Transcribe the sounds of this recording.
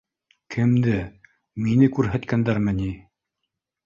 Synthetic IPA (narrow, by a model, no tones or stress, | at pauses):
kʰɘ̆md̪ɘ | minɘkʉɾɦæt̪kænd̪æɾmɘni